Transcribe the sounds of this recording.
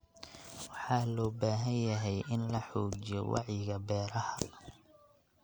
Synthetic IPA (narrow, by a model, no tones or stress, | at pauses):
wɑħɑːlɔːbaːɦɐnjɐɦɛjʔɪnlɐħɔːt͡ʃɪjɔwɑ̰ʕjɪɣɐbɛːɾɐhɐ